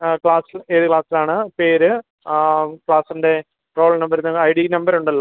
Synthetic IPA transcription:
kɭaːsileːðɨkɭaːsilaːɳɨpe̞ːɾɨ | kɭaːsinde̞ | ro̞ːɭnɐmbɐɾnːɐɐjɽinɐmbɐɾuɳɖɐlːɐ

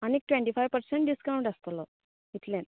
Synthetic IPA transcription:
añik̚ʈʋẽɳʈifajʋpəɾsẽɳʈɖiskɾãʋɳʈəst̪lɔ | it̪lẽn

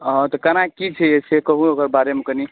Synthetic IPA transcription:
ɔ̃t̪ɔkənakit͡ʃʰɛesekəɦũokəɾbaɾemekəni

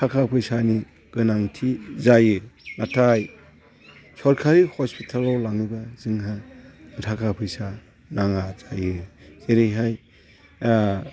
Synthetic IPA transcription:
tʰakʰapʰɯjsani | ɡɯnaŋtʰizajɯnatʰaj | sɔɾkʰaɾihɔspitʰalawlaŋibazɯŋɦamɯtʰakʰapʰɯjsa | naŋazajɯeɾejɦaj

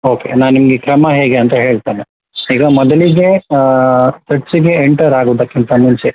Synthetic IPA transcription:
oːkḛnaːnnimɐɡekɾɐmɐɦeːɡeɐnt̪ɐɦe̞ːɭt̪aːne | iːɡɐmɔd̪ɐliɡe̞ | t̪ɐʈsiɡeːɳʈɐɾaːɡoːd̪ɐkːint̪ɐmuɲt͡ʃe

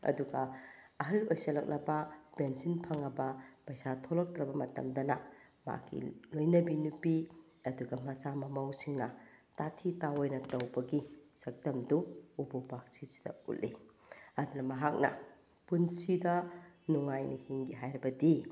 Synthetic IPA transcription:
ɐ̰duɡɐ | ɐɦɐlojsɐlɐk̚lɐbɐbensinpʰɐŋɐbɐpɐjsatʰolok̚tɾɐbɐmɐtɐ̰mdɐnɐma̰kʰḭlojnɐbinupi | ɐduɡɐmɐsamɐmawsiŋnɐtatʰitawojnɐtɐwbɐɡisɐk̚dɐmduububak̚sisi̥dɐ̰ṵtʔlːi | ɐdunɐmɐɦak̚nɐ̰ | punsidɐnuŋajnihiŋɡiɦajɾɐbɐdi

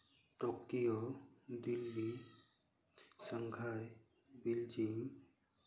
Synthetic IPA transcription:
ʈɔkiɔd̪ilːi | saŋɡʰʱaj | bild͡ʒiŋ

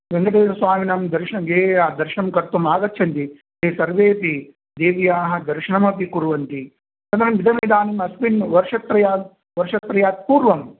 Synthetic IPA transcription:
ʋeŋɡɐʈeːɾɐsʋaːminɐmd̪ɐɾʃɐɳɐɡeːaːd̪ɐɾʃɐɳɐmkɐɾt̪umaːɡɐt̪ːt͡ʃʰɐnt̪i | ɦeːsɐɾʋeːpi | d̪eːʋjaːɦɐd̪ɐɾʃɐɳɐmɐpikuɾuʋɐnt̪i | sɐnd̪ɐɾɐmʋid̪ʱɐmeːd̪aːnimɐspinʋɐɾʂɐt̪ɾɐjaːt̪̚ | ʋɐɾʂɐt̪ɾɐjaːt̪̚puːɾʋɐm

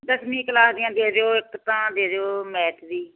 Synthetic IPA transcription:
d̪əsmĩːkəlaːsd̪ɪjãːd̪eːɾeoːɪkt̪ãːd̪eːɾeoːmɛːʈʰd̪iː

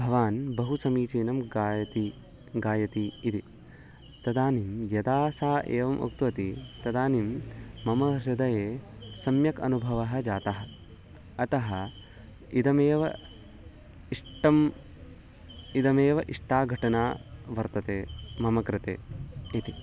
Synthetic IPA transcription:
bʱɐʋaːnbɐɦusɐmiːt͡ʃiːnɐmɡt̪i | ɡaːjɐt̪iːt̪i | t̪ɐd̪aːnimjɐd̪aːsaːʔeːʋɐmʔo̰k̚t̪uʋɐt̪it̪ɐd̪aːnimmɐmɐɾɪd̪ɐjeː | sɐmjɐkɐ̰nubʱɐʋɐɦɐ̆d͡ʒaːt̪ɐɦɐ̆ | ɐt̪ɐɦɐ | id̪ɐmeːʋɐ̰ | iʂʈɐm | id̪ɐmeːʋɐʔiʂʈaːɡʱɐʈɐnaːʋɐɾt̪ɐt̪eːmɐmɐkɾɪt̪ḛːit̪i

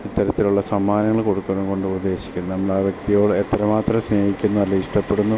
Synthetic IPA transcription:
it̪ːɐɾɐt̪ːiluɭːɐsɐmːaːnɐŋːɐɭko̞ɽukːuɐnumko̞ɳɖɨubɐd̪ːe̞ːɕi̥kʲːunːɐnɐmːɐɭaːʋjek̚t̪ijo̞ːɭet̪ːɐɾɐmaːt̪rɐmsne̞ːhikʲːunːɐɐlːɐiʂʈɐpːe̞ɽunːu

